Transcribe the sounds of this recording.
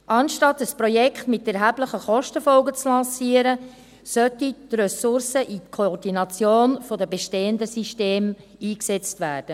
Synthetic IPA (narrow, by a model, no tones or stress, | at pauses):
ʔɑnʃtɑtəspɾɔjɛkχtmɪtɛɾɦæːbləχəχɔʃtəfɔlɡət͡slɑ̃ːsiːəɾə | sœtit̪rœsʊrsəʔitkʰoɔrdinɑt͡sjoːnfodəbeʃteːəndəsiʃteːm | iːksɛt͡stvæːrd̥ə